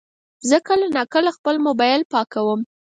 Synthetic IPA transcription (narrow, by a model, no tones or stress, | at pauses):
zəkalanɑkəlaxpəlmʊbɑjlpɑkawəm